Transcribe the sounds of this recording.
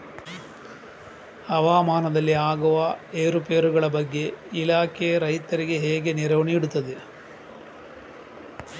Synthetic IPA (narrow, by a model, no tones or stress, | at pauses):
ɐʋaːmaːnɐd̪ɐlːiaːɡuʋɐeːɾupeːɾuɡɐɭɐbɐɡːe̞ilaːkejɐɾɐjt̪ɐɾiɡe̞ɦeːɡe̞niɾɐʋɐniːɽut̪ːɐðe